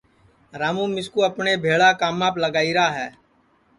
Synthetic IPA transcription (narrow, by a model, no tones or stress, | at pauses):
ɾaːmũːmɪskuːəpneːbʱeːɭaːkaːmaːpləɡaːiːɾaːɦɛː